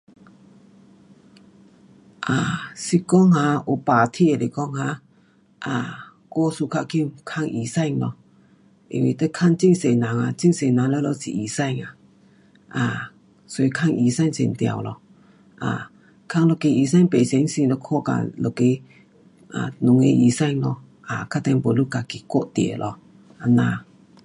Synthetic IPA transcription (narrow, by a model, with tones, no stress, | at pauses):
ʔa˨˩si˧kɔ˥˦˨ŋha˧˨ʔu˨˩pa˨t̪ʰi˧˨e˨le˨˩kɔ˦˥ŋha˧˦ | ʔa˨ | kɔ˧˦su˧kʰa˦˧˨ki˧˨mkʰa˥˧ŋʔi˨˩sa˥˧˨ŋlɔ̰˧ | ʔi˧˨ŋwḭ˧t̪e˦kʰa˥˧˨ŋt͡ɕi˥˧˨ŋse˨˩na˨˦ŋa˨t͡ɕi˥˧˨ŋse˨˩nã˨˦ŋla˧˦˧lo˧˦sḭ˨ʔi˨˩sa˥˧˨ŋa˨ | ʔa˨ | sɔ˧˦i˧kʰa˥˧ŋʔi˨sa˥˧˨ŋsɛ̰˨˩nt̪ja̰˨wlɔ˧ | ʔa̰ː˨ | kʰa˥˧ŋlo˧˩ke˧i˨sa˥˧˨ŋpe˨se˨˦ŋsi˧ŋlo˧kʰɔ˥˧˨ka̰˧˨lo˧˨ke˧˦ | ʔa̰˨nʊ˨ŋḛ˧ʔi˨sa˥˧˨jŋlɔ˧ | ʔa˨kʰa˦˥t̪ɛ˧˦ŋbɔ˨lu˦˨ka˧˨ki˧˨kɔ˦˧˨ʔt̪ḛ˨lʔɔ˧ | a˧naː˧